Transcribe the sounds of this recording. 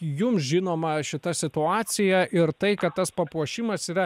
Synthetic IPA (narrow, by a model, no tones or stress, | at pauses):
jʊmsʒʲɪnoːmɐʃʲɪt̪ɐsʲɪt̪ʊɑːsʲɪjɛʔɪrt̪ɐɪkɐt̪t̪ɐspɐpuɔʃʲɪmɐsiːɾɐ